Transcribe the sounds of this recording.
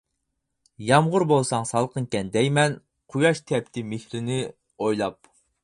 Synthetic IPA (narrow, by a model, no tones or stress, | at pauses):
jɑmʁʊɾbolˠsɑŋsɑlˠqʰənkʲɛnd̪ɛjmɛn | qʰujɑʃt̪ʰɛpt̪ʰɪmehlɪnɪ | ojlˠɑp̚